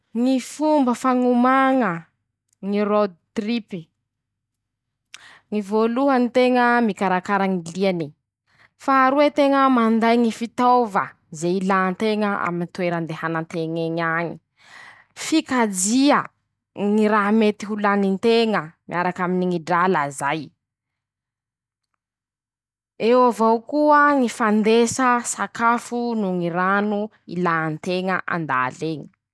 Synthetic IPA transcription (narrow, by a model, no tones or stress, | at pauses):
ŋifumbəfaŋumaŋə | ŋirod̪̚t̪ripi̥ | ŋivoluɦənit̪eŋəmikaɾakaɾaŋiliani | faːɾuwet̪eŋəmand̪ajŋifit̪ovə̰ | zeilant̪eŋəʔa̰minit̪weɾand̪ehanant̪eŋeɲaɲi | fikad͡ziə | ŋiɾaɦmet̪iɦulanint̪eŋəmiʔaɾakaminiŋiɖ͡ʐalazaj | ewavawkuəŋifand̪esəsakafunuŋiɾanu | ḭlant̪eŋə̰ʔa̰nd̪a̰leɲi̥